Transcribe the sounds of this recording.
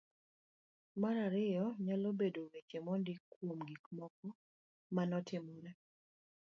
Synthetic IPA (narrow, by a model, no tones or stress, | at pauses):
maɾaɾɪjɔɲalobedowekemɔndɪkwomɡikmɔkɔ | manɔtɪmɔɾɛ